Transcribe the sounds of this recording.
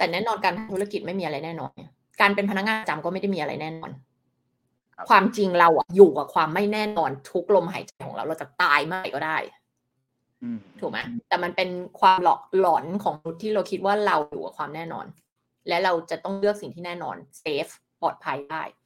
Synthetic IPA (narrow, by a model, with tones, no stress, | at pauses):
t̪ɛː˨˩nɛː˥˩nɔː˧nkaː˧nt̪ʰa˧t̪ʰu˦˥a˧˩ki˨˩ma˥˩jmiː˧a˧ɾa˧jnɛː˥˩nɔ̰ː˧na˨˩ | kaː˧np̬e˧npʰa˧na˦˥k̚ŋaː˧nt͡ɕa˧mkɔː˥ma˥˩jda˥˩jmiː˧a˧ɾa̰˧jnɛː˥˩nɔː˧n | kʰwaː˧mt͡ɕi˧ŋɾa˧wʔa̰˨˩juː˨˩kwaː˨˩kʰwaː˧mːa˥˩jnɛː˥˩nɔː˧nt̪ʰu˦˥k̚lo˧mɦa̰ː˨˩˦jt͡ɕa˧jkʰɔ˩˦ŋɾa̰˧wɾa˧wt͡ɕa˨˩t̪aː˧jmaː˥˩˨jkɔː˥˩daː˥˩j | t̪ʰuː˨˩ma˦˥jt̪ɛː˨˩ma˧npe˧nkʰwaː˧mlɔ̰ː˨˩k̚lɔː˩˦nkʰɔː˩˦ŋm˧nu˦˥t̪ʰːiː˥˩ɾa˧wkʰi˦˥t̪̚waː˥˩ɾa˧wjuː˨˩ka̰˨˩kʰwaː˧mnɛː˥˩nɔ̰ː˧n | lɛ˦˥ɾa˧wt͡ɕa˨˩t̪ɔ˥˩ŋlɯ˥˩ək̚si˨˩ŋt̪ʰiː˥˩nɛː˥˩nɔ̰ː˧nseː˦˥f | pɔː˨˩t̪̚pʰa˧jdaː˥˩j